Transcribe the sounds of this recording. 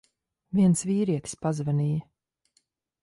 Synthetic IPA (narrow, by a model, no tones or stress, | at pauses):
viɛnsviːɾiɛkspazvɛniː